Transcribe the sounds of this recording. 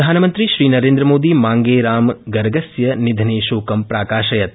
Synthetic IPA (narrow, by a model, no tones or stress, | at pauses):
d̪ʱaːnɐmɐnt̪ɾiʃɾiːnɐɾeːnd̪ɾɐmoːd̪imaːŋɡeːɾaːmɡɐɾɡɐsjɐnid̪ʱɐneːʃoːkɐmpɾaːkaːʃɐjɐt̪̚